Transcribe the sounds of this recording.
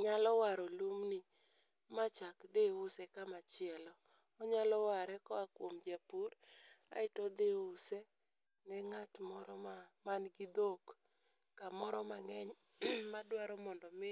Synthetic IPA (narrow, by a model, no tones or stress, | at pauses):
ɲalɔwaɾɔlumni | mat͡ʃakd̪eʊsɛkamat͡ʃɪɛlɔ | ɔɲalɔwaɾɛkɔakwomd͡ʒapuɾa̰ɪtɔd̪eusɛ | nɛŋatmɔɾɔmamanɡɪd̪okː | amɔɾɔmaŋɛɲ | madwaɾɔmɔndɔmɪ